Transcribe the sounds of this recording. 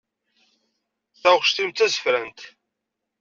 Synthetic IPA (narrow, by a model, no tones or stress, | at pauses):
θæʁʃt̪imt̪æzə̥fɾænt̪